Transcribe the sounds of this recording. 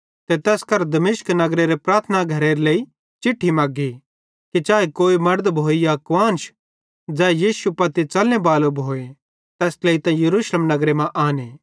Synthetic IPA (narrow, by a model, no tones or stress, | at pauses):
t̪et̪ɛːskɐɾd̪ɐmɪʃknɐɡɾeɾepɾaːɾt̪ʰənaɡʱɐɾeɾleːi | t͡ʃɪʈʰːimaːɡi | kit͡ʃaːekoːimɐɾd̪bʱoːijakʋãːnʃ | d͡ʒɛːjiːsupɐt̪it͡ʃɐlnebaːlobʱoːe | t̪ɛːsleːit̪ãjɐɾuːʃləmnɐɡɾemãʔaːneː